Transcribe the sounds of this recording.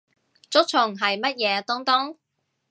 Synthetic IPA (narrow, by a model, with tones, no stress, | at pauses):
t͡sʊ˥k̚t͡ʃʰʊ˨˩ŋɦɐ˨jmɐ˥t̚jɛː˨˧t̪ɔ˥ŋt̪ɔ˥ŋ